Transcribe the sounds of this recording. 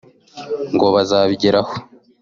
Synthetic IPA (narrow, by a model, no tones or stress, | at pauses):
ŋɡoβazaːβiɟeɾaho